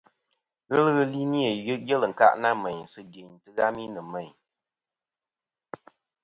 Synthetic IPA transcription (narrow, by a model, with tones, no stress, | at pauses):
ɣɨ˦lɣɨ˦li˦ni˦e˨˦jɛ˦lɨ˨ŋ̩˨ka̰˦ʔna˦mɛ˨ɲ˨sɨ˦di˨ɲtɨ˦ɣa˦mi˦nɨ˨mɛ˨ɲ